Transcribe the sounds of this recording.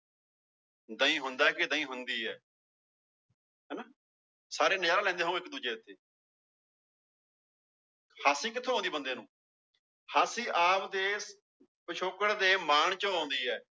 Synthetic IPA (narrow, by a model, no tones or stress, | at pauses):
d̪əĩːɦʊnd̪aːɛkɪd̪ə̃ːĩːɦʊnd̪iːɛː | ɦɛːnaː | saːɾeːnəd͡ʒaːɾaːlɛ̃ːnd̪eːɦũːɪkd̪uːd͡ʒeːɪt̪ʰːeː | haːsĩːkɪt̪ʰːõːãːnd̪iːbənd̪eːnũː | haːsĩːʔaːpd̪eː | pət͡ʃʰoːkəɽd̪eːmaːɳ̃t͡ʃəãːnd̪iːɛː